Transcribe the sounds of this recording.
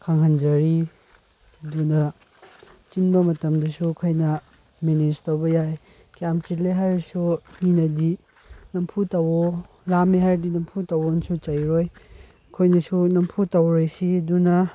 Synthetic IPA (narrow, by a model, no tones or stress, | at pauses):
kʰaŋɦɐnd͡ʒɐɾi | dunɐ | t͡ʃinbɐmɐtɐmdɐsukʰɐjnɐ | mened͡ʒtɐwbɐjaj | kjamt͡ʃitleɦaɾsuninɐdi | nɐmpʰutɐwo | lamiɦaɾdinɐmpʰutɐwonsut͡ʃɐjɾoj | kʰojnɐsunɐmpʰutɐwɾojsidunɐ